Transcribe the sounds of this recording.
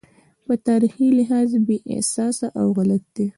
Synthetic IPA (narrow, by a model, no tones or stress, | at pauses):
pət̪ɑɾixilɪɦɑzbeʔɪ̰sɑsaʔawɣalat̪̚d̪̥e